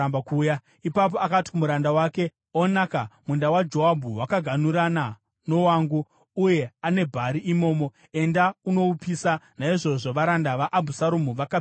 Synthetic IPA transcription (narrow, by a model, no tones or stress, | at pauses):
bakuːja | ipap̬o̞akati̥kumuɾandawaːke̞ | onakamundawad͡ʒo̞abʱuwakaɡʱanuɾana | no̞waːŋɡuː | je̞ane̞bʱaɾiʔimo̞ːmo̞ | e̞ndauno̞upisanaiʐo̞ʐo̞ʋaɾandaʋaʔːbʱusaɾumuʋaka